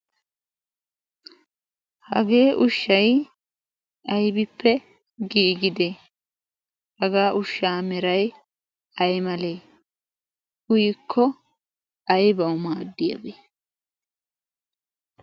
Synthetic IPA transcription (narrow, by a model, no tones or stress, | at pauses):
hɐ̰ɡe̞ːʔʊʃːɐj | ʔɐjbɪpːɛ | ɡiːɡɪd̪e | hɐɡaːʔʊʃːaːmɛɾɐj | ɐjmɐleː | ʊjɪkʰːɔ | ɐjbɐwʊmaːd̪ːɪjɐ̰beː